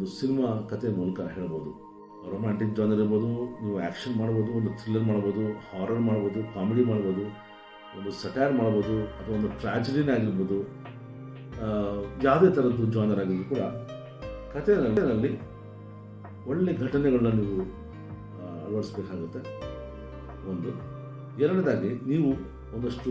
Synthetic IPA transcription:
d̪usinimakɐt̪ʰemuːlɐkɐɦeːɭbo̞ːd̪u | ɐɾoːmaːɳʈik̚d͡ʒaːnɐɾiɾbo̞ːd̪uniːʋuæ̰ːkʂɐnmaːɽbo̞ːd̪uond̪ut̪ɾilːɐɾmaːɽbo̞ːd̪uhaːɾɐɾmaːɽbo̞ːd̪ukaːmiɽimaːɽbo̞ːd̪u | ond̪usɐʈaːɾmaːɽbo̞ːd̪uɐt̪ʰʋɐond̪uʈɾa̰ːd͡ʒeɖinaːɡiɾboːd̪u | jaːwd̪eːt̪ʰɐɾɐd̪ːud͡ʒaːjnɐɾaːɡid̪ɾukuːɽɐ | kʰɐt̪ʰɛnɐlːinɐlːi | oɭːeɡʱɐʈɐnɛɡɐɭɐnːɐniːʋu | ɐ̰ʋɐɽisbeːkaːɡut̪ːe̞ | ond̪u | ɛɾɐɽɐd̪aːɡiniːʋu | nd̪ɐʂʈu

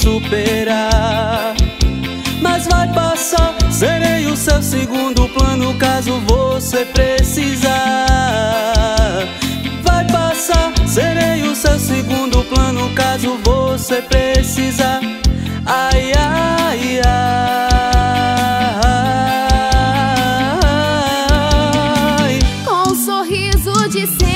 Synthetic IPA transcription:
supeɾa | mɐzvajpasaɾseɾejʊsewsɪɡũd̪ʊplɐ̃nʊkazʊvosepɾesiza | vajpasaɾseɾej̃ʊsewsɪɡũd̪ʊplɐ̃nʊkazʊvosepɾesiza | ajaja | a | jkõũsoɦizʊd͡ʒɪse

